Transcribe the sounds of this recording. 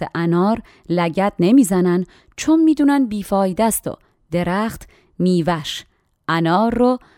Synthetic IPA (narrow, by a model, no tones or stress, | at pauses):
eʔænɒːɾ | læɟæt̪ne̞miːzænæn | t͡ʃʰonmiːd̪uːnænd̪̚biːfɒːjid̪æst̪o̰ | d̪̥e̞ɾæxt̪ | miːvæʃ | ʔænɒːɾːo